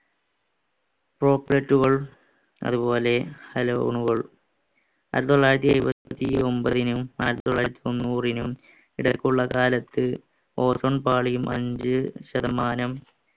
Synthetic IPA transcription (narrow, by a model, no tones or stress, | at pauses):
pro̞ːpːlɐʈːuɣɐɭ | ɐ̰ðupo̞ːle̞hɐlo̰wɳuɣɐɭ | ɐ̰ɾɐt̪ːoɭːaːjɾɐt̪̬ːiɐɾubɐt̪t̪ːio̞mbɐðinumaɾɐt̪ːoɭːaːjɾut̪ːio̞nːuːrinum | iɽɐkːuɭːɐkaːlɐt̪ːɨ | o̞ːsoɳpaːɭijumʔɐ̰ɲd͡ʑɨɕɐðɐmaːnɐm